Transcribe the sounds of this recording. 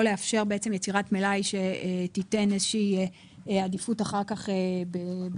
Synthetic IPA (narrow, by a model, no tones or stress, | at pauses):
oleafʃe̞ʁbe̞et͡se̞mjet͡siʁatmelajʃe̞etite̞nezeʃiː | adifutaχaʁkaχebe